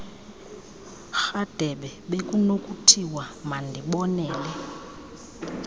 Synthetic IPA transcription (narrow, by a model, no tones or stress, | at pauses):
xad̥ʱɛɓɛɓekʼunokʼutʰiwamandʱiɓɔnɛːlɛ